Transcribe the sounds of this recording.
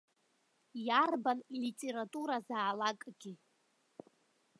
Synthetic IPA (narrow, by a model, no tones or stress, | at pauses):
jarbanlitʼe̞ɾatʼuɾazaːlakʼɡʲi